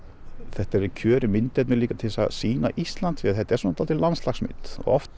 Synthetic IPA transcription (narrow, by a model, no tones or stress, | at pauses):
θɛht̪aɛɾɛɾcʰœːɾɪmɪnt̪ɛt̪mɛðliːkat̪ʰɪlsa̰ðsiːna̰ʔist̪lant̪fɪːaðθɛht̪ːaɛɾsɔːnːt̪ʰalt̪ɪlanslaxsmɪ̰nt̪ɔ̰ɔ̰ft̪